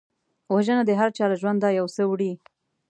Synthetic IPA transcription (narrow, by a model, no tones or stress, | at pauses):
waʒənad̪əɦaɾt͡ʃɑɾaʒwand̪ːɑjawsəwɽi